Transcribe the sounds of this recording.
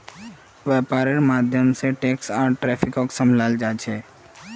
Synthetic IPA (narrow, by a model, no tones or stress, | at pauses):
ʋaːpaːɾeɾmaːd̪ʱjəmseʈeːksaːɾʈɾɛːpʰɪkoksəmʱlaːld͡ʒaːt͡ʃʰeː